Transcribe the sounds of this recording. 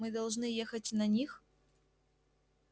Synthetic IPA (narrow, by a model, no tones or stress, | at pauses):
mɨd̪ɐlˠʐnɨjexətʲnɐnʲix